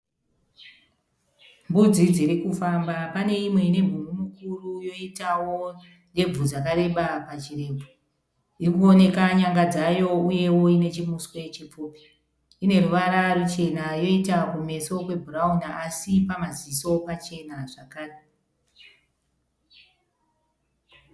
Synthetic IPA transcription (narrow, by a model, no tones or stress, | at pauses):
mbud͡zid͡ziɾikufambapane̞imwe̞ine̞mbumumukurujo̞itawo | ne̞b͡vud͡zakaɾe̞ɓapat͡ʃire̞ːpo | irikuone̞kaɲaŋɡad͡zajo̞uje̞wo̞ine̞t͡ʃimuswe̞t͡ʃip͡foːpe̥ | ine̞ruʋaɾarut͡ʃe̞najo̞itakume̞so̞kwe̞bʱuraunaʔasipamaziso̞pat͡ʃe̞naʐakaːre